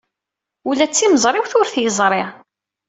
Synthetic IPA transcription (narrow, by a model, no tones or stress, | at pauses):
ulæt͡sːiməzˤɾˤɪwθʊɾθjəzˤɾˤɪʁ